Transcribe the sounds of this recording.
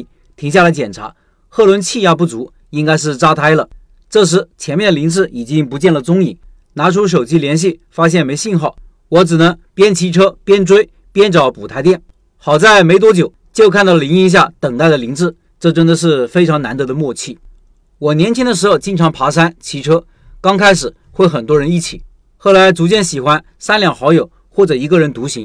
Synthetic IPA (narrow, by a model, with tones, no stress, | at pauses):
t̪ʰi˧˥ŋɕja˥˩la˧˥ɪt͡ɕjɛ˨˩nʈ͡ʂʰa̰˧˥ | xɤ˥˩lwə˧˥nt͡ɕʰi˥˧ja˥˧pu˥˩t͡su˧˥ | i˥ŋka˥ɪʂ̬ɻ̩˥˩ʈ͡ʂa˥t̪ʰa˥ɪlə˨ | ʈ͡ʂɤ˥˩ʂ̬ɻ̩˧˥t͡ɕʰjɛ˧˥nmjɛ˥˩nəli˧˥ŋt͡sɹ̩˥˩i˨˩t͡ɕi˥ŋpu˧˥t͡ɕjɛ˥˩nlə˩t͡sʊ˥ŋi˨˩˦ | na˧˥ʈ͡ʂʰu˥ʂ̬o˨˩ʊt͡ɕi˥ljɛ˧˥nɕ̬i˥˩fa˥ɕ̬jɛ˥˩nme˧˥ɪɕi˥˧nxɑ˥˩ʊ | wɔ˧˥ʈ͡ʂɻ̩˨˩nɤ˧˥ŋpjɛ˥nt͡ɕʰi˧˥ʈ͡ʂʰɤ˥pjɛ˥nʈ͡ʂwe˥ɪ | pjɛ˥nʈ͡ʂɑ˨˧˥ʊpu˨˩t̪ʰa˧˥ɪt̪jɛ˥˩n | xɑ˨˩ʊt͡sa˥˩ɪme˧˥ɪt̪wɔ˥t͡ɕjo˨˩˦ʊt͡ɕjo˥˧ʊkʰa˥˧nt̪ɑ˥˩lə˩i˧˥ŋi˧˥ŋɕ̬ja˥˩t̪ɤ˨˩ŋt̪a˥˩ɪd̪ə˩li˧˥ŋt͡sɹ̩˥˩ | ʈ͡ʂɤ˥˩ʈ͡ʂə˥nd̪ə˨˧ʂ̬ɻ̩˥˩fe˥ɪʈ͡ʂʰɑ˧˥ŋna˧˥nd̪ɤ˧˥d̪ə˧mwɔ˥˧t͡ɕʰi˥˩ | wɔ˨˩njɛ˧˥nt͡ɕʰi˥ŋd̪ə˧ʂ̬ɻ̩˧˥xo˧˩ʊt͡ɕi˥˩ŋʈ͡ʂʰɑ˧˥ŋpʰa˧˥ʂ̬a˥nt͡ɕʰi˧˥ʈ͡ʂʰɤ˥ | kɑ˥ŋkʰa˥ɪʂɻ̩˨˩˦ | xwe˥˩ɪxə˨˩nt̪wɔ˥ɻə˧˥ni˥˩t͡ɕʰḭ˨˩˦ | xo˥˩ʊla˧˥ɪt͡su˧˥t͡ɕjɛ˥˩nɕi˨˩xwa˥n | sa˥nljɑ˥˩ŋxɑ˧˥ʊjo˨˩ʊ | xwɔ˥˩ʈ͡ʂɤ˨˩i˧˥ɡə˧ɻə˧˥nt̪u˧˥ɕi˧˥ŋ